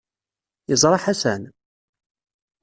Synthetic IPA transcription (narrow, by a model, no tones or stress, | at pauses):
jəzˤɾˤɑħæsæn